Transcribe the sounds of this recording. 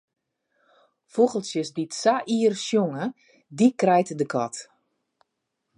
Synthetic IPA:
foɣəlˠsjəsditsaʔiːərsjoŋə | dikrɛjtədəkʰɔt

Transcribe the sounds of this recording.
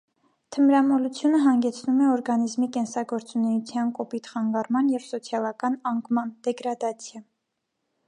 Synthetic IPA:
t̪ʰəmɾɑmɔlut͡sʰjunəɦɑŋɡɛt͡sʰnumɛɔɾɡɑnizmikɛnsɑɡɔɾt͡sunɛjut͡sʰjɑnkɔpit̪χɑŋɡɑrmɑnjɛvsɔt͡sʰjɑlɑkɑnɑŋɡmɑnd̪̥ɛɡɾɑd̪ɑt͡sʰjɑ

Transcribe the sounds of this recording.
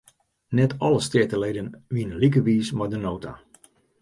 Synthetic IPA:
nɛtʰɔləstɪətəlejdənʋiənəlik̬əʋiːsmadənoːtʰa̰

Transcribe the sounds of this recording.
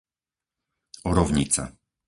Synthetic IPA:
ɔɾɔvɲit̪sa̰

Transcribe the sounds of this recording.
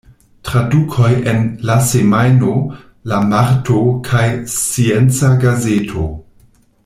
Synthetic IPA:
tɾadukʰojʔenlasemajno | lamaɾtʰokʰajsient͡saɡazetʰo

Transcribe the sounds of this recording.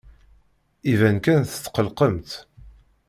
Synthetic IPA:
ivænkænθə̥t̪ːqəlqəmt̪

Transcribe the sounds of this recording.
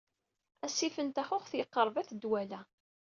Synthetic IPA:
æsifənt̪æxʊχθjəqːəɾˤvæθd̪wælæ

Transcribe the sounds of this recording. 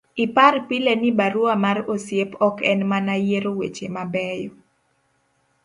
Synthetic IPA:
iparpilenibaɾuamarosjepɔkɛnmanajeɾowet͡ʃemabɛjɔ

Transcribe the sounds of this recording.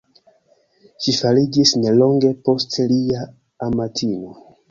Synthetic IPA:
ʃifalid͡ʒisne̞lo̞ŋɡe̞po̞stliaː | matʰino

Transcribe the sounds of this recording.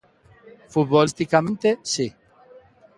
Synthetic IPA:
fut̪̚bɔlist̪ikament̪esi

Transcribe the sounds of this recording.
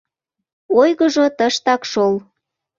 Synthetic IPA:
ojɣəʒot̪əʃt̪ɑkʃol

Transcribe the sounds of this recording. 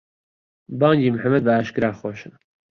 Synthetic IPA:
bɑːŋɡiːmħamːɐd̪̚bɐaːʃkɨɾaːxoːʃɨn

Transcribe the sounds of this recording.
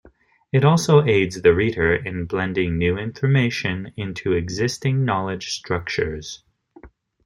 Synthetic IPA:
ɨɾɔlˠsoʊeɪdzðɨɹiɾə˞ɪ̃nblɛ̃ndɪ̃ŋnʉɪ̃ɱfə˞meɪʃɨ̃nɪ̃ntʰʉɨɡzɪstɪ̃ŋnɑlˠɨd̥ʒ̥stɹ̥ʌk̚t͡ʃə̰˞z̥

